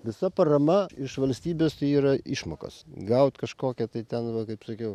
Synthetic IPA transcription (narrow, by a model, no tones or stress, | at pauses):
ʋʲɪsɐpɐɾɐmɐɪʃʋɐlʲsʲt̪ʲiːbʲeːst̪ɐɪiːɾɐiʃmoːkɐ̰sɡɐʊt̪ʲkɐʃkoːkʲɛt̪ɐɪt̪ʲɛnʋɐkɐɪpsɐkʲɛʊ